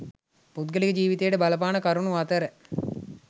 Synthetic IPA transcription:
put̪ɡəlikəd͡ʒiːʋit̪ejəʈəbɐlɐp̬aːnɐkɐɾunuat̪əɾə

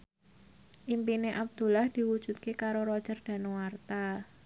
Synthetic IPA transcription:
ʔimpineʔab̚d̪̥ṳlahd̪̥i̤wud̥ʒ̥ṳt̪̚kekaɾoɾɔd̥ʒ̥ərd̥a̤nuwart̪a

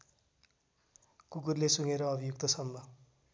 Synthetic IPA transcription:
kukurlesuŋeɾʌʌbʱijuk̚t̪ʌsʌmbʱʌ

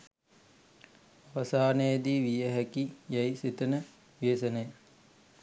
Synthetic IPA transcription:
aʋɐsaːnəjəd̪iːʋijəɦækijajsit̪ənə | ʋeːsənəj

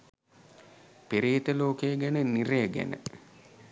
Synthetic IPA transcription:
piɾiːt̪əloːkejəɡænəniɾejəɡæ̰nə̰

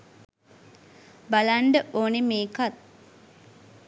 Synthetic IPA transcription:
balaɳɖəʔoːnimeːkat̪̚

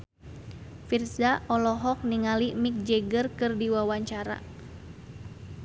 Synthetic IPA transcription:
firsaɔlɔɦɔk̚niŋalimik̚d͡ʒɛɡərkɨrdiwawaɲt͡ʃaɾa̰

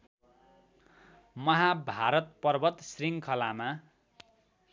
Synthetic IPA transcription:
mʌɦabʱaɾʌt̪̚pʌrbʌt̪sriŋkʰʌlama

